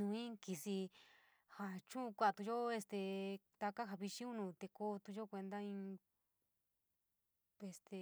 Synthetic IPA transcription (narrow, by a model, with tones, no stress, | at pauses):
nũ˧ĩ˦ki˧si˧ | ha˧t͡ʃũ˦ũ˧kʷa˧a˧t̪ũ˧ʒo˦e˧st̪e˧ | t̪a˧ka˦ɦa˧βi˧t͡ʃĩ˦ũ˦nũ˧˨t̪e˧ko˧t̪u˧ʒo˦kʷe˧nd̪a˦ĩ˧ | e˧st̪e˧